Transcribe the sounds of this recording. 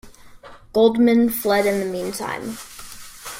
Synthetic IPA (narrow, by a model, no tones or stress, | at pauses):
ɡ̥oʊlˠdmɨ̃nflɛɾɨ̃nðəmĩntʰã̰ɪ̃m